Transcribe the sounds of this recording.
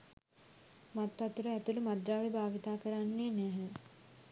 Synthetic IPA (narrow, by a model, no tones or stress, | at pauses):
mat̪ːat̪uɾəæt̪ulumad̪ɾaːʋebʱaːʋit̪aːkəɾanːeːnæɦə